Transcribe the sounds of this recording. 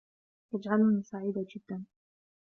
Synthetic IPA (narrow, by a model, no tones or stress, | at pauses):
t̪ad͡ʒʕalʊnisaʕiːd̪ad͡ʒɪd̪ːan